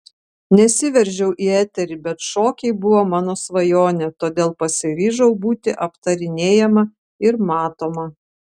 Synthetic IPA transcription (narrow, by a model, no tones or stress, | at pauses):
nʲɛsʲɪʋʲɛɾʲʒʲɛʊʔiːɛːt̪ʲɛɾʲɪbʲɛt̪ʃoːkʲɛɪbʊʋoːmɑːnoːsʋɐjoːnʲɛt̪oːd̪ʲeːlˠpɐsʲɪɾʲiːʒɐʊbuːt̪ʲɪʔɐpt̪ɐɾʲɪnʲeːjɛmɐ | ɪɾmɑːt̪oːmɐ